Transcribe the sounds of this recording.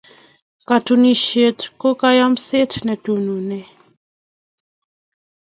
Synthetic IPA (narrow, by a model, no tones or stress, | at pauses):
katuniʃetkokajamsetnɛtununɛ